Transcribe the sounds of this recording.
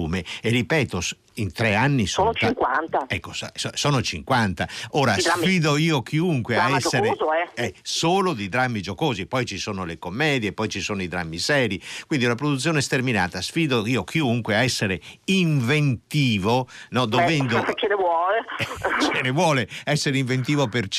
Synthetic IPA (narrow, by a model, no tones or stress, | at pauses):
uːmeerːipɛːt̪os | int̪ɾɛanːisoːnot͡ʃŋkwant̪aɛkːosoːnot͡ʃiŋkwant̪aoːɾasfiːd̪oiːok̟iuŋkweaɛsːeeoɛɛsoːlod̪id̪ɾamːid͡ʒokoːzipɔjt͡ʃisoːnolekomːɛːd̪jepːɔjt͡ʃisoːnoid̪ɾa̰mːisɛːɾikwind̪iunapɾod̪ut̪sːjoːnest̪ermina̰ːt̪asfiːd̪oiːok̟iuŋkweaɛsːeɾeiɱvent̪iːvonɔd̪ovɛnd̪opet͡ʃːenevwɔːlet͡ʃenevwɔːleɛsːeɾeiɱvent̪iːvopert͡ʃ